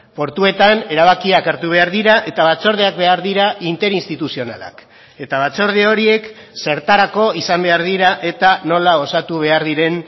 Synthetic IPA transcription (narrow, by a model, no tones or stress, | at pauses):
po̞ɾt̪ue̞t̪ane̞ɾaβ̞akiakeɾt̪uβ̞e̞aɾðiɾaʔe̞t̪aβat͡so̞ɾð̞eakbe̞aɾðiɾaint̪e̞ɾinst̪it̪usio̞na̰la̰k | e̞t̪aβ̞at͡so̞ɾð̞eo̞ɾie̞k | se̞ɾt̪aɾako̞isambe̞aɾðiɾaʔe̞t̪ano̞lao̞sat̪uβ̞e̞aɾðiɾe̞n